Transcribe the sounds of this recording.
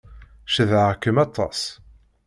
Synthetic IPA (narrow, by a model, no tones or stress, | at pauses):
ʃəðʕakːəmɑt̪ʰˤːɑ̰s